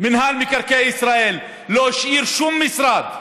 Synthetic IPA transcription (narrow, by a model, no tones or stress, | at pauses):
mɪnɦaːlmɪkaɾˤkeʔɪsɾaːʔiːl | loːʃʔiːɾʃumːɪsɾˤɑːt̪̚